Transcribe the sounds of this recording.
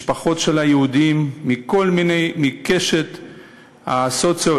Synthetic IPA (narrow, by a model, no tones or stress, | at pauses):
ʃpaχo̞t̪ʃelajeud̪imːiko̞lmine̞jmike̞ʃet̪ | ha̰sot͡so